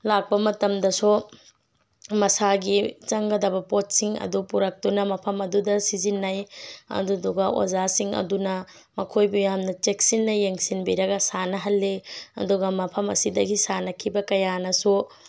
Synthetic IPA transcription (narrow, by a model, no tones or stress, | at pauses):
lak̚pɐmɐtɐmdɐsu | mɐsaɡit͡ʃɐŋɡɐdɐbɐpot̚siŋɐ̰dupuɾɐk̚tunɐmɐpʰɐmɐdudɐsizinːɐjɐ̰duduɡɐʔo̰zasiŋɐ̰dunɐ | mɐkʰojbujamnɐt͡ʃek̚sinːɐjeŋsinbiɾɐɡɐsanɐɦɐlːeɐ̰duɡɐmɐpʰɐmɐ̰sidɐɡisanɐkʰibɐkɐjanɐsu